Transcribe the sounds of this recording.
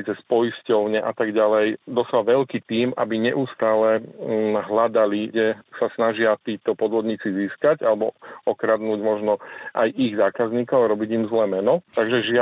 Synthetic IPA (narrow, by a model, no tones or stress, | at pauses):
t͡sɛspɔjscɔʊɲɛʔat̪aɡɟalɛjd̪ɔsalʋɛʎkiːt̪iːmʔa̰biɲɛ̰ʔuːst̪aːlɛ | ɦlad̪aliɡɟɛsasnaʒɪat̪iːt̪ɔpɔd̪ʋɔd̪ɲiːt͡siziːskaɟalɛbɔɔkɾad̪nuːɟmɔʒnɔʔajʔiɣzaːkazɲiːkɔʊaɾɔbiɟimzlɛːmɛnɔt̪aɡʒɛʒɪa